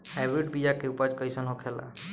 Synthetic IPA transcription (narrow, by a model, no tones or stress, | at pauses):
hajbɾiɖbid͡ʒakeupad͡ʒkəjsənɦõkʰela̰